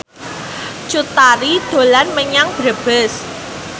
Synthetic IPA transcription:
t͡ʃut̪aɾid̪̥o̤lanməɲaŋb̥ɾəb̥əs

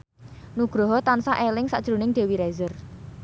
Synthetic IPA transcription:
nuɡ̥ɾɔɦɔt̪ansaʔelɪŋsaʔd̥ʒ̥ɾṳnɪŋɖ̪̥e̤wiɾɛzər

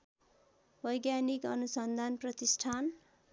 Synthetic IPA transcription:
bʱʌjɡjanikʌnusʌnd̪ʱanprʌt̪isʈʰan

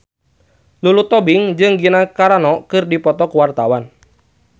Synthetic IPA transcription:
lulut̪ɔbiŋd͡ʒɨŋɡinakaɾanɔkɨrdipɔt̪ɔkuwart̪awan

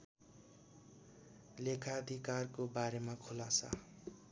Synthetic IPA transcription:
lekʰad̪ʱikarkobaɾemakʰulasa̰

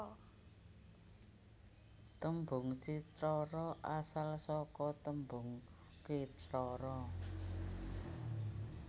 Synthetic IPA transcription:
t̪əmbʊ̤ŋt͡ʃitɾɔɾɔʔasalsɔkɔt̪əmbʊŋ | kitɾɔɾɔ

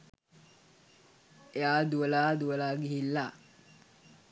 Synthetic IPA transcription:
eaːd̪uəlaːd̪uəlaːɡiɦilːa

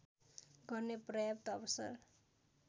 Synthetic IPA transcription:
ɡʌrneprʌjʌp̚t̪ʌbʌsa̰r

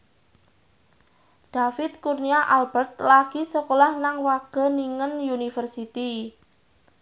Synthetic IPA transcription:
d̪̥a̤fɪt̪̚kurniaʔalb̥ərt̪̚laɡ̥isəkolahnaŋwaɡ̥ə̤niŋənjunifərsit̪i

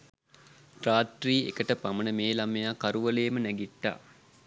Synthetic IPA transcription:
ʈraːt̪riːḛkəʈəpamənəmeːlamejaːkaɾuʋəleːmənæɡiʈːa̰ː

